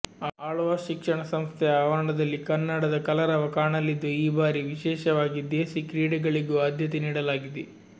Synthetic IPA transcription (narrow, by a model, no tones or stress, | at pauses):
aːɭʋaːʃikʂɐɳɐsɐmst̪ʰɛaːʋaːɳɖɐd̪ɐlːikɐnːɐɽɐd̪ɐkɐlɐɾɐʋɐkaːɳɐlːid̪ːuiːbaːɾiʋiʃɛːʃɐʋaːɡid̪eːsikɾiːɽɐɡɐɭiɡuaːd̪ʱjɐt̪eniːɽɐlaːɡid̪e